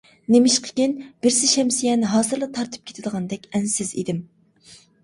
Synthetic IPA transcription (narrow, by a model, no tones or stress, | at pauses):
nemɪʃqʰə̥kʲinb̥ɪɾsɪʃɛmsijɛnɦɑːzɨɾlˠɨt̪ʰɑɾt̪ʰɨ̥p̚kʲe̥t̪ʰɪd̪əʁɑnd̪ɛkʲɛnsɪzḭd̪ɪm